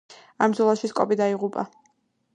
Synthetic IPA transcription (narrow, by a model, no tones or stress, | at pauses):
amd̪zɔlˠaʃiskʼɔbid̪aiʁupʼa̰